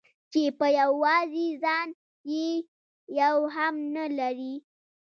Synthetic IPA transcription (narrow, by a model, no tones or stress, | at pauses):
t͡ʃepəjawɑzizɑn | je | jawɦamnalaɾi